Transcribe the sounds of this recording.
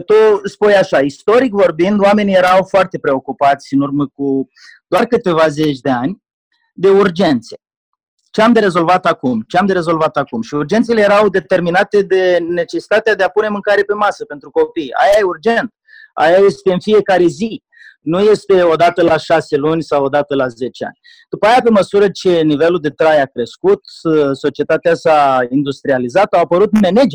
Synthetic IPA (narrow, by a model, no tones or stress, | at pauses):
t̪uspujaʃaist̪o̞ɾikvo̞rbind̪oame̞nije̞ɾawfoart̪e̞pɾe̞o̞kupat̪sʲɨnurməku | d̪̥oarkɨt̪e̞vaze̞t͡ʃʲd̪e̞anʲ | d̪e̞urd͡ʒe̞nt̪se̞ | t͡ʃeamd̪eɾe̞zo̞lvat̪akumt͡ʃeamd̪eɾe̞zo̞lvat̪akumʃiurd͡ʒe̞nt̪se̞leje̞ɾawd̪e̞t̪e̞rminat̪e̞d̪e̞ne̞t͡ʃe̞si̥t̪at̪ead̪eapune̞mɨŋkaɾiepe̞masəpe̞nt̪ɾuko̞pija̰jajeurd͡ʒent̪̚ | a̰jaje̞st̪e̞ɨnfije̞kaɾe̞zi | nuje̞st̪e̞o̞d̪at̪əlaʃase̞lunʲsawo̞d̪at̪əlaze̞t͡ʃea̰nʲ | d̪̥upəajape̞məsuɾət͡ʃe̞nive̞luld̪e̞t̪ɾajakɾe̞skut̪so̞t͡ʃie̞t̪at̪easaind̪ust̪ɾializat̪awapəɾut̪me̞ne̞d͡ʒe